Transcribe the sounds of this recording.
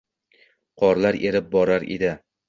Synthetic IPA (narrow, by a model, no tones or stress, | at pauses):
qʰɒɾlaɾʔeɾɪp̚bɒɾaɾḛd̪ɪ